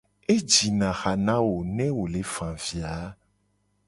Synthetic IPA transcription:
e˦d͡ʒi˨nã˨xa˨nã˦wo˨nɛ̃˦wo˨le˨˦fã˨vi˨a˨˦

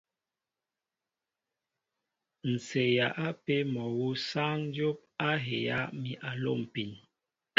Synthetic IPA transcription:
n̩˨se˨ja˨ʔa˦pe˦mɔ˨wu˦sa˦ŋ˦d͡ʒjo˦p̚a˦ɦe˨ja̰˦ʔmi˨ʔa˨lo̰˦˨m˨pi˨n

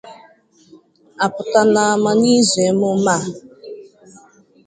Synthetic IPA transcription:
a˨pʊ˨ta˨na˨a˨ma˨ni˦ze˨˦mʊ˦ma˦˨

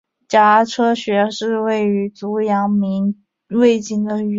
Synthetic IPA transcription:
t͡ɕja˧˥ʈ͡ʂʰɤ˥ɕɥɛ˧˥ʂɻ̩˥˧we˥˩ɪy˧˥t͡su˧˥jɑ˧˥ŋmi˧˥n | we˥˩ɪt͡ɕi˥ŋd̪ə˨y˧˩

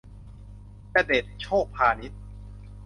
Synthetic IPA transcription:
pɾa˧deː˨˩t̪̚t͡ɕʰoː˥˩k̚pʰaː˧ni˦˥t̪̚

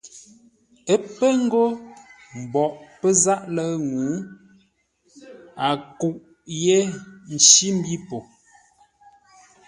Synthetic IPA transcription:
ə˦pə˦ŋ̩˦ɡo˦ | m̩˨bɔ˨ʔpə˦za˦ʔlə˦ŋuː˨˦ | a˨ku˦˨ʔ | je˦n̩˨t͡ʃi˦m̩˦bi˦po˨

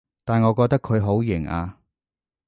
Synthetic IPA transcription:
t̪aː˨˩nŋɔː˨˧kɔː˧k̚t̪ɐ˥kʰɵ˨˧ɥɦo˨˥wjɪ˨˩ŋa̰ː˧

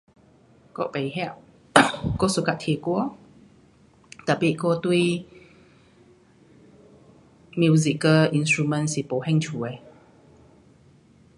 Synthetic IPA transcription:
ko̰˧pe˨˦ɦɛ˧˨ʔ | ko˧su˨ka˧˨t̪ʰe˨˩ku˧ | t̪ə˨˩pi˧˨ʔko˧t̪wi˥˧ | mju˧zi˧˨kə˧ʔi˧nstɹu˧mə̃˧nsi˨po˨˦hɛ̃˥˧˨ŋt͡ɕʰu˨e˧˩

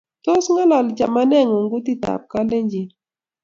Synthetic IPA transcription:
to˦sŋa˦lɔ˨lt͡ʃa̰˨ma˦nɛ˦˨ŋo˨ŋɡu˦ti˦ta̰˨p̚ka˦le˦ɲd͡ʒi˨

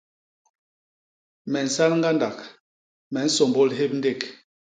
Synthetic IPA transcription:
mɛ˨n̩˨sa˦lŋ˦ɡa˦nda˨k | mɛ˨n̩˦so˨mbo˦lɦe˦p̚n̩˦de˦˨k

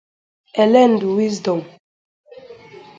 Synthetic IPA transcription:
ɛ˨lɛ˦˨ndu˨wi˦zdɔ˨m

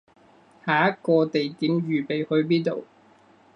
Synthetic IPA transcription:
haː˨˩jɐ˥t̚kɔː˧t̪e˨jt̪iː˨˥mɥyː˨˩pe˨jhɵ˧ɥpiː˥t̪o˨w

